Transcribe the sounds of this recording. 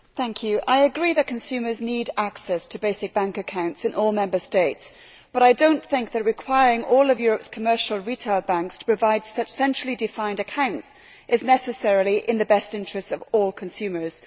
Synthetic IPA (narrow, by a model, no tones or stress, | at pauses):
θæ̃ŋkʰjʉʔaɪɨɡɹiðɨt̚kʰɨ̃n̩sʉmə˞zniɾaksɛstʰəbeɪsɨk̚b̥æ̃ŋkɨkʰãʊ̃ntsɨ̃nʔɔlˠmɛ̃mbə˞steɪts | b̥ʌɾaɪdõʊ̃nθɪ̃ŋk̚ðɨt̚ɹɨkʰw̥aɪɹɪ̃ŋɔlˠʌvjʊɹəpskʰəmɜ˞ʃl̩ˠɹitʰeɪlˠbæ̃ŋkstʰə̥pʰɹ̥ɨvaɪd̥sʌt͡ʃsɛ̃nʃɹ̥l̩ˠidɨfãɪ̃ndɨkʰãʊ̃nts | ʔɨznɛsɨsɛɹlˠiʔɪ̃nðɨbɛstɪ̃nt͡ʃɹ̥ɨstʌvɔlˠkʰɨ̃n̩sʉmə˞z̥